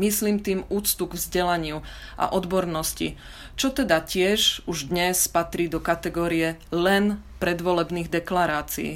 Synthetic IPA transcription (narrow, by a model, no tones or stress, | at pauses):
misliːmt̪iːmuːt͡st̪uɡvzɟɛlaɲɪuʔa̰ʔɔd̪bɔɾnɔscḭ | t͡ʃɔt̪ɛd̪acɪɛʒuʒd̪ɲɛspat̪ɾiːd̪ɔkat̪ɛɡɔːɾijɛlɛn | pɾɛd̪ʋɔlɛbniːɣd̪ɛklaɾaːt͡sḭḭː